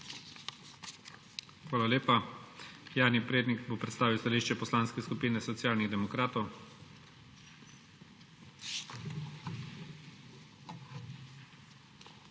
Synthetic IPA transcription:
xʋaːlaleːpa | jaːɾnipɾeːd̪nikbopɾɛt̪st̪aːʋiwst̪aliːʃt͡ʃɛpɔslaːnskɛskupiːnɛsɔt̪sjaːlniɣd̪ɛmɔkɾaːt̪ɔw

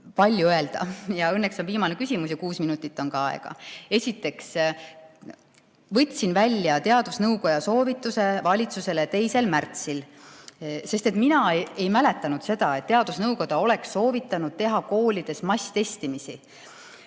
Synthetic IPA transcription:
pɑlʲjuøe̞ld̪̥ɑ̰jɑɤnːekso̞nviːmɑnekysʲimus̬jɑkuːsminut̪ːˑit̪ːˑo̞nkɑɑḛɡ̥ɑ̰e̞sʲit̪ːˑe̞ks | vɤ̞t̪ʲːsinvælʲːjɑt̪e̞ɑd̪̥usnɤwko̞jɑso̞ːvit̪ːˑuse̞vɑlʲit̪suse̞let̪e̞jse̞lmært̪sil | se̞st̪e̞t̪minɑe̞jmæle̞t̪ːˑɑnud̪̥se̞d̪̥ɑe̞t̪ːe̞ɑd̪usnɤwko̞d̪̥ɑo̞le̞ksːo̞ːvit̪ːˑɑnud̪̥̚t̪e̞ɦɑko̞ːlʲid̪̥e̞smɑst̪e̞st̪imisi

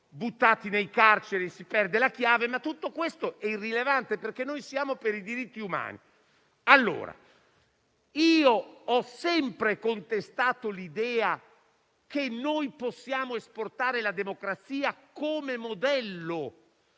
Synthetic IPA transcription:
but̪ːaːt̪inejkart͡ʃeɾisipɛrd̪elakjaːvemat̪ːut̪ːokwest̪oʔɛirːilevant̪eperkenːojsjaːmopeɾid̪iɾit̪ːiuma̰ːnḭ | alːo̰ːɾa̰ | iːoɔsɛmpɾekont̪est̪aːt̪olid̪ɛːa | kenːojposːjaːmoesport̪aːɾelad̪emokɾat̪siːakoːmemod̪ɛlːo

